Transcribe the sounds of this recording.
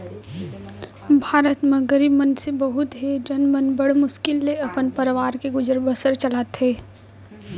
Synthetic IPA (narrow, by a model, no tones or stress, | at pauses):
bʱaːɾət̪mẽɡəɾiːbmənsebɐɦʊt̪ɦed͡ʒɐnmənbəɽmʊʃkɪlːeɐpənpəɾʋaːɾkeɡʊd͡ʒəɾbəsəɾt͡ʃɐlaːt̪ɦeː